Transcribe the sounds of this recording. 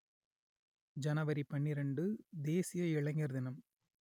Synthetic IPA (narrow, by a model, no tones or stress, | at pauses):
d͡ʒɐnɐʋɐɾipːɐɳːiɾɐɳɖɯd̪eːsɪjɐɪɭɐŋɡɐɾðɪnɐm